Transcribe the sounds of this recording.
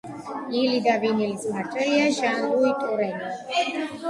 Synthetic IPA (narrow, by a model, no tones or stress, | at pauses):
ilid̪avinilimaʈʼɛliaʒanɾuit̪ʼuɾɛni